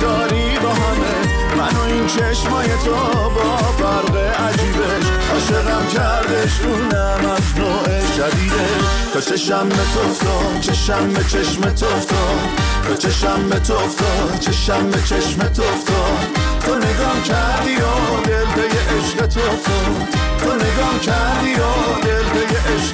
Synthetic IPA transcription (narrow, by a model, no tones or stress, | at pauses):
d̪̥ɒːɾi | bɒːɦæme | bænɔint͡ʃʰe̞ʃmɒːjet̪ʰo | bɒː | fæɾɢeʔæd͡ʒiːbeʃ | ʔɒːʃeɣæmkʰæɾd̪eʃuːnæ | mæznoːʔeʃæd̪iːd̪eʃ | t̪ɒt͡ʃʰeʃæmbet̪ʰoft̪o | t͡ʃʰeʃæmbet͡ʃʰeʃmet̪ʰoft̪ɔdbet͡ʃʰeʃæmbet̪ʰoft̪ɔd̪t͡ʃʰeʃæmbet͡ʃʰeʃmet̪ʰoft̪ɔd̪t̪ʰone̞ɡɒːmcʰæɾd̪ioɾd̪eld̪ejeʔeʃɢet̪ʰoft̪ʰo | t̪ʰone̞ɡɒːmcʰæɾd̪ioɾd̪elb̪ejeʔeʃ